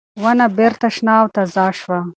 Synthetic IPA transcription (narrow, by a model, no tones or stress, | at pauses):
wɐnɐbeɾt̪ɐʂnaːwt̪ɐzaːʃwa